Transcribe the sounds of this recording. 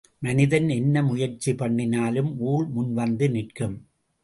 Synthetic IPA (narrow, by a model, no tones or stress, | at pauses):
mɐnɪðɐnɛnːɐmʊjɐɾt͡ʃːipɐɳːɪnaːlɯmuːɭmʊnʋɐnd̪ɯnɪʈkɯm